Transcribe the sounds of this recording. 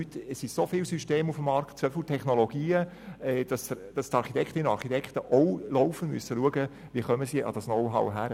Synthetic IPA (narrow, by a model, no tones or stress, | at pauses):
ytɛsisofɪːlsyʃteːmufəmːɑɾktt͡sʋœfl̩tʰɛχnoloɡ̥iːə | ɛːd̥ɑsd̥ɑst̪ɑɾχitʰɛkχtɪnəɑɾχitʰɛkχtəʔɔwlɔʊfənmysəluəɡə | ʋiəχœməsiʔɑ̰d̥ɑsnɔwɦɑ̰wɦæɾə